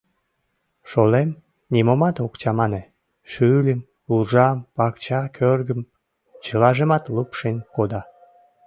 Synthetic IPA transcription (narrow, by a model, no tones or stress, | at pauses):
ʃolem | nimomɑt̪okt͡ɕɑmɑne | ʃylʲəm | uʒɑmpɑkt͡ɕɑkʰørɡəm | t͡ɕəlɑʒəmɑt̪lupʃenʲkod̪ɑ